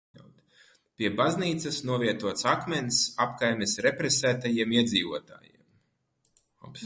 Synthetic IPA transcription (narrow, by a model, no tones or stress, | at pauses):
awt̪ | pʲiɛbazniːt̪sɐsnuɔviɛt̪uɔt̪sakmɛnsapkajmʲesɾepɾesæːt̪ajiɛmiɛd̪ziːvuɔt̪a̰ːjḭɛm | a̰ps